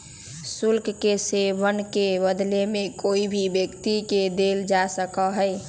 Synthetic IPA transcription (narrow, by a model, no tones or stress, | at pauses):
sulkʰkesebənkebəd̪lemekoibʱibjəkt̪iked̪eld͡ʒasəkəɦəj